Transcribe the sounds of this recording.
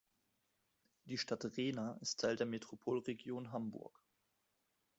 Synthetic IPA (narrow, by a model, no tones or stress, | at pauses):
d̥iːʃtatʁeːnaʔɪstʰːaɪldeːɐmetʁ̥opʰoːlʁeɡjoːnɦambʊ̰ɐk